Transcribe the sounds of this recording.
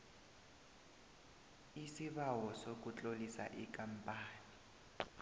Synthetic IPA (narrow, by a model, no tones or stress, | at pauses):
isiβawɔsok̬ʼut͡ɬʼolisa̰ʔikʼam̩pʼaːni